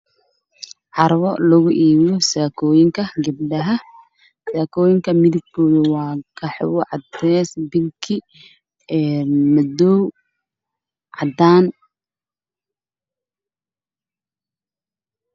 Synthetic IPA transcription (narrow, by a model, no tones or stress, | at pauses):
ʕɑɾwɔlɐɣʊʔiːwɔsaːkʰɔːjɪŋkʰɐɡɐb̚ɖɐɦɐ | saːkʰɔːjɪŋkʰɐmɪðɪɡ̚bɔːðɪwɑːkʰɐħɔ̰wɔʕɑd̪ɛːsbɪlkʰɪ | ɛːmɐd̪ɔːw | ʕɑd̪aːn